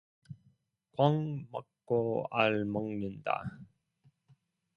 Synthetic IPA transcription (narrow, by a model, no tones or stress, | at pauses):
kwʌŋmʌk͈ːoaɭmʌŋnɯnda̰